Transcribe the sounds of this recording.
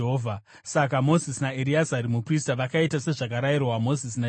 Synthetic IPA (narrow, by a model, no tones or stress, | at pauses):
ɦovʱa | sakamo̞zisnaeɾiazaɾimupristaʋakaitase̞ʐak̬aɾajirwamo̞zis̬na